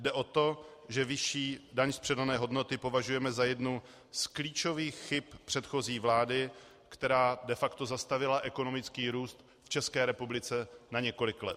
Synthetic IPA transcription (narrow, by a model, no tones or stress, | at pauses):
dɛʔo̞t̪o̞ʒɛvɪʃiːdaɲspr̥ɛdanɛːɦo̞dno̞t̪ɪpo̞vaʒujɛmɛzajɛdnu | skliːt͡ʃo̞viːxxɪppr̥ɛt̪xo̞ziːvlaːdɪ | kt̪ɛɾaːdɛfakt̪ozast̪avɪlaʔɛko̞no̞mɪt͡skiːɾuːst̪ | ft͡ʃɛskɛːɾɛpublɪt͡sɛnaɲɛko̞lɪklɛt̪